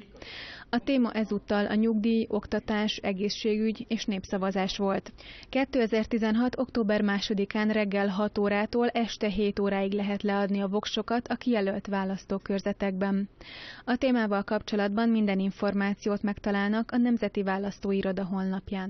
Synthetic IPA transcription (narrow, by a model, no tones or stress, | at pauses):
ɒt̪eːmɒʔɛzut̪ːɒlʔɒɲuɡd̪iːo̞kt̪ɒt̪aːʃɛɡeːʃːeːɡyɟeːʃneːpsɒvɒzaːʃʋo̞lt̪kɛt̪ːøːɛzɛrt̪izɛnɦɒt̪o̞kt̪oːbɛrmaːʃo̞d̪ikaːnrɛɡːɛlɦɒt̪oːɾaːt̪oːlʔɛʃt̪ɛɦeːt̪oːɾaːiɡlɛɦɛt̪lɛɒd̪niɒvo̞kʃo̞kɒt̪ɒkijɛlølt̪ʋaːlɒst̪oːkørzɛt̪ɛɡ̚bɛnɒt̪eːmaːvɒlkɒpt͡ʃo̞lɒd̪bɒmmind̪ɛniɱfo̞rmaːt̪sijoːt̪mɛkt̪ɒlaːlnɒkɒnɛmzɛt̪ivaːlːɒst̪oːiɾo̞d̪ɒɦo̞nːɒpjaːn